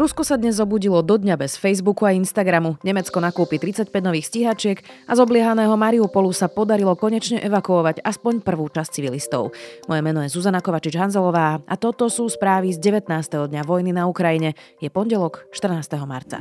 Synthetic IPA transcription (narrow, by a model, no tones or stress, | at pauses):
ɾuskɔsad̪ɲɛzːɔbuːɟilɔd̪ɔd̪ɲabɛsfɛjzbukuainst̪aɡɾamuɲɛmɛt͡skɔnakuːpit̪ɾit͡sacpɛɟnɔʋiːxsciɦat͡ʃɪɛkazɔblɪɛɦanɛːɦɔmaɾiupɔlusapɔd̪aɾilɔkɔɲɛt͡ʃɲɛʔɛʋakuɔʋaɟaspɔɲpr̩ʋuːt͡ʃast͡siʋilist̪ɔ̰ʊmɔjɛmɛnɔjɛzuzanakɔʋat͡ʃid͡ʒɦanzɛlɔʋaːʔat̪ɔt̪ɔsuːspɾaːʋizɟɛʋɛt̪naːst̪ɛɦɔd̪ɲaʋɔjninaukɾajiɲɛjɛpɔnɟɛlɔkʃt̪r̩naːst̪ɛɦɔma̰ɾt͡sa̰